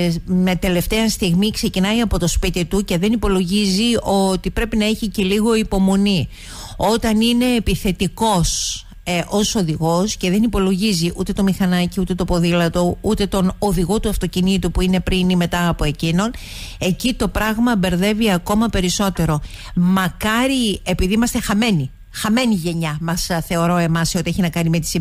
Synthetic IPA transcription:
met̪e̞le̞ft̪e̞ɐst̪iɣmikse̞cinɐiɐpo̞t̪o̞spit̪it̪uce̞ðe̞nipo̞lo̞ʝizio̞t̪ipɾe̞pinɐeçice̞liɣo̞ipo̞mo̞ni | o̞t̪ɐnine̞ːpiθe̞t̪iko̞s | ʔo̞so̞ðiɣo̞sce̞ðe̞nipo̞lo̞ʝiziʔut̪e̞t̪o̞mixɐnɐciut̪e̞t̪o̞po̞ðilɐt̪o̞ut̪e̞t̪o̞noðiɣo̞t̪uɐft̪o̞cinit̪upuine̞pɾinime̞t̪ɐːpo̞e̞cino̞n | e̞cit̪o̞pɾɐɣmɐbe̞ɾðe̞viɐko̞mɐpe̞ɾiso̞t̪e̞ɾo̞ | mɐkɐɾie̞piðiimɐst̪e̞xɐme̞ni | xɐme̞niʝe̞ɲɐmɐsθe̞o̞ɾo̞e̞mɐsio̞t̪ieçinɐkɐnime̞t̪i̥si

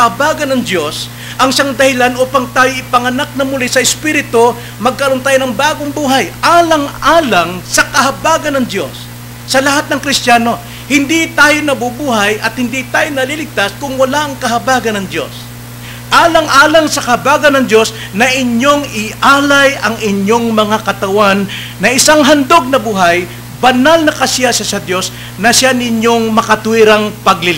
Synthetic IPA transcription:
hɐbaːɡɐnɐŋd̪jo̞s | ʔɐŋʃaŋd̪ɐhɪlanoːpɐŋt̪aːjoɪpɐŋɐnak̚nɐmʊlɪsɐɪspiːɾɪt̪o | mɐɡ̚kːɐlont̪aːjonɐŋbaːɡoŋbuːɦɐjʔaːlɐŋaːlɐŋsɐkɐɦɐbaːɡɐnɐŋd̪jo̞sː | ɐlɐhat̪̚nɐŋkɾɪst̪jaːno̞ | hɪnd̪it̪aːjonɐbʊbuːɦɐjʔɐt̪̚hɪnd̪it̪aːjonɐlilɪɡ̚t̪askʊŋwɐlaʔɐŋkɐɦɐbaːɡɐnɐŋd̪jo̞̰s | ʔaːlɐŋʔaːlɐŋsɐkɐhɐbaːɡɐnːɐŋd̪jo̞s | nɐʔɪɲo̞ŋɪʔaːlɐjʔɐŋɪɲo̞ŋmɐŋakɐt̪ɐwanː | ɐʔɪsaŋɦɐnd̪o̞ɡ̚nɐbuːɦaj | bɐnalnɐkɐsjaʃasɐd̪jo̞s | nɐsjanɪɲo̞ŋmɐkɐt̪ʊɪɾaŋpɐɡlɪl

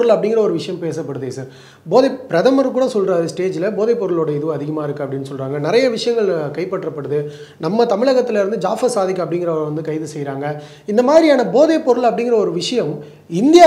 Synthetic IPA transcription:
ɾɯlɐpːɐɽɪŋɡɪɾɐɔɾɯʋɪʂɐjɐmpeːsɐpːɐɽɯðɯsɐːɾ | boːðɐpɪɾɐðɐmɐɾkuːɽɐsɔlɾaːɾɯsʈeːd͡ʒɪlɐboːðɐɪpːɔɾɯloːɽɐɪðɯʋɐðɪɣɐmaːɪɾɯkːɯɐpɐɽɪnːɯsɔlɾaːŋɡɐnɪɾɐjɐʋɪʂɐjɐŋɡɐɭkɐɪpːɐʈːrɐpːɐɽɯðɯ | nɐmːɐt̪ɐmɪɭɐɣɐt̪ːɪlɐɪɾɯnd̪ɯd͡ʒaːfɐsaːðɪkːɐɐpːɐɽɪŋɡɪɾɐʋɐnd̪ɯkɐɪðɯsɛjːɾaːŋɡɐ | ɪnd̪ɐmaːðɾiaːnɐboːðepɔɾɯɭɐpːɐɽɪŋɡɪɾɐɔɾɯʋɪʂɐjɐm | ɪnd̪ɪjaː

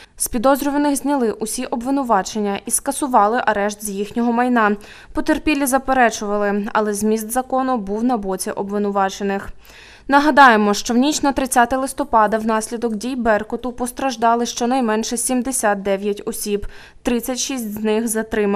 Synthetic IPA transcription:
sʲpʲid̪ɔzʲɾʲɔʋɐnɪxzʲnʲɐlˠɪʔʊsʲiʔɔbʋɪnʊʋɑt͡ʃenʲːɐʔiskɐsʊʋɑlˠɪʔɐɾɛʃt̪zʲjixnʲɔɦɔmɐjnɑ | pɔt̪erpʲilʲizɐpeɾɛt͡ʃʊʋɐlˠɪɐ̰lˠɛzʲmʲist̪zɐkɔnʊbuwnɐbɔt͡sʲiʔɔbʋɪnʊʋɑt͡ʃenɪx | nɐɦɐd̪ɑjemɔʃt͡ʃɔwnʲit͡ʃnɐt̪ɾɪt͡sʲːat̪ɪlˠɪst̪ɔpɑd̪ɐwnɑsʲlʲid̪ɔkdʲijbɛrkɔt̪ʊpɔst̪ɾɐʒd̪ɑlˠɪʃt͡ʃɔnɐjmɛnʃɛsʲimd̪esʲat̪̚d̪ɛʋʲjɐtʲɔsʲib | t̪ɾɪt͡sʲːɐtʲʃisʲtʲznɪxzɐt̪ɾɪm

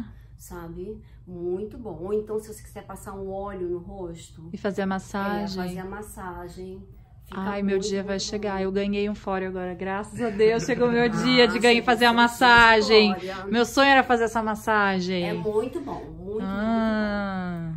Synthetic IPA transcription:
sabɪ | mũj̃t̪ʊbõw̃oẽnt̪ɐ̃w̃sɪvose̥ki̥z̥ɛɾpasaɾũɔʎʊnʊɦoʃt̪ʊɪfazeɾɐmasaʒefaz̃eɐmasaʒẽj̃ | fiakjmewd͡ʒiɐvajʃeɡaewɡɐ̃ɲejũfɔɾʊaɡɔɾɐɡɾasɐzad̪ewsʃeɡowmewd͡ʒiɐd͡ʒɪɡɐ̃fazeɾɐmasaʒẽj̃mewsõɲʊɛɾɐfazeɾɛsɐmasaʒẽj̃mũj̃t̪ʊbõ̰w̃mũj̃t̪a

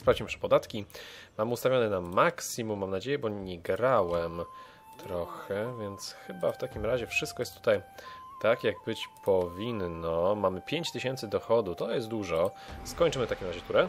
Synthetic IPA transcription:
spɾavd͡ʑimpʂɛ̥pɔd̪at̪kʲimamust̪avʲjɔnɛnamaksimumːamnad͡ʑejɛbɔɲɛɡɾawɛm | t̪ɾɔxɛvʲjɛnt̪sxɘbaft̪akʲimɾaʑɛfʂɘst̪kɔjɛst̪ːu̥t̪aj | t̪akjaɡ̚bɘt͡ɕpʰɔvʲinnɔmamɘpʲjeɲt͡ɕt̪ɘɕɛnt̪sɘd̪ɔxɔd̪ut̪ɔjɛst̪̚d̪uʐɔskɔɲt͡ʂɘmɘft̪akʲimɾaʑɛt̪uɾɛ

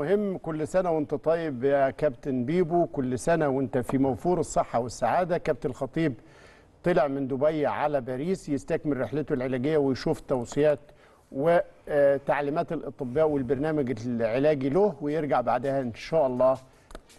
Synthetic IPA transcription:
hemːkʊlːsænæwɪnt̪æt̪ˤɑjebkæbt̪nbiːbukʊlːsænæwɪnt̪æfimæwfuːɾesˤːeħːɑwɪsːaʕaːd̪ækæb̚t̪ælxɑt̪ˤiːb | t̪ˤɨleʕmɪnd̪ʊbæjːʕalæbæːɾiːsjɪst̪ækmɪrːeħlet̪olʕelæːɡɪjːæwejʃuːft̪ːɑwsˤɨjæːt̪ | wet̪aʕliːmæːt̪elʔɑt̪ˤɨbːæːʔwelbɑɾˤnæːmæɡʕelæːɡilohwejeɾɡaʕbaʕd̪æhæʔɪnʃæːʔɑlˤːɑː

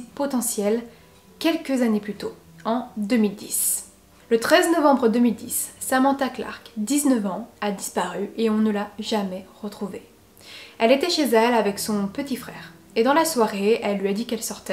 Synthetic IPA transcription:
pɔt̪ɑ̃sjɛl | kʲɛlkəzaneplyt̪o | ɑ̃d̪əmild̪is | lət̪χɛznɔvɑ̃bʁəd̪əmild̪isːamɑ̃t̪akla̰ʁkd̪iznəvɑ̃ad̪ispaʁyʔeɔ̃nəlaʒamɛʁət̪χuve | ɛlet̪ɛʃezɛlavɛksɔ̃pət̪ifχɛːʁ | ed̪ɑ̃laswaʁeɛlːɥiad̪ikɛlsɔʁt̪ɛ

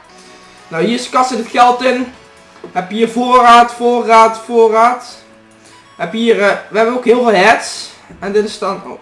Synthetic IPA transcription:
nawɦiəskɑsətətxɛlˠtɪn | ɛpɦiːərvoːrraːtfoːraːtfoːraːt | ʋɛpɦiːrʋəɦɛbənokɦɪəlˠveːlˠɦɛts | ɛndɪtɪstɑn̰

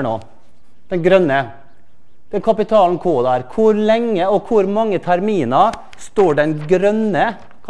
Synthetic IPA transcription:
ɳo̰ː | d̪̥ɛnɡɾœnːə | d̪̥ɛnkʰɑpɪt̪ʰɑːln̩kʰoːd̪æɾkʰʊɾlɛŋːəɔkʰʊɾmɑŋːət̪ʰæɾmiːnɑ | st̪oːɖɛnɡɾœnə | k

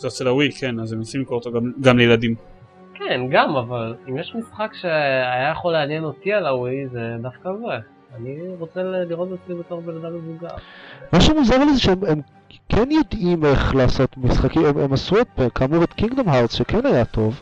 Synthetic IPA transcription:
zeot͡selawikʰenazemosimlikoʁt̪oɡamɡamlejladim | kenɡamavalimjeʃmisχakʃe̞ajajaχoleanje̞no̞tialawized̪afkave | aniʁo̞t͡seliʁot̪basibeto̞ʁbenad̪amezuɡa̰maʃemuzaʁlezeʃeemem | kʰenjo̞dʔime̞χlaːso̞t̪misχakiememasuet̚bekaːmuʁet̪kiŋɡd̪o̞mɦaʁsʃekenajat̪ʰo̞v

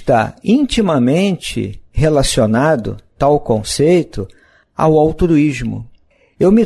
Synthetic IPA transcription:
t̪aĩnt͡ʃimɐmẽnt͡ʃɪ̰ɦelasionad̪ʊ̰t̪awkõsejt̪ʊ | a̰wawt̪ɾuizmʊ̰ | ewmɪ

